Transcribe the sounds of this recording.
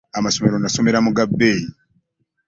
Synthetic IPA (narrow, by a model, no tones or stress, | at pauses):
amasome̞ɾo̞naso̞me̞ɾamuɡabːeːji